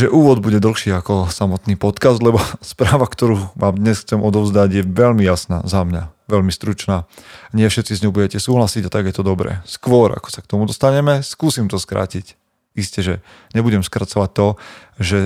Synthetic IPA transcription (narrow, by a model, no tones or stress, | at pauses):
ʒɛʔuːʋɔd̪buɟɛd̪l̩xʃiakɔsamɔt̪niːpɔt̪kazd̪lɛbɔspɾaːʋakt̪ɔɾuːmaːmd̪ɲɛsxt͡sɛmʔɔd̪ɔʊzd̪aɟjɛʋɛʎmijasna̰ːzamɲaʋɛʎmist̪ɾut͡ʃnaːɲɪɛfʃɛt̪t͡sizɲɔʊbuɟɛcɛsuːɦlasiɟat̪aɡjɛt̪ɔd̪ɔbɾɛ̰skʋɔɾa̰kɔ̥sak̚t̪ɔmud̪ɔst̪aɲɛmɛskuːsimt̪ɔskɾa̰ːcic | iscɛʒɛ | ɲɛbuɟɛmskɾat͡sɔʋac̚t̪ɔʒɛ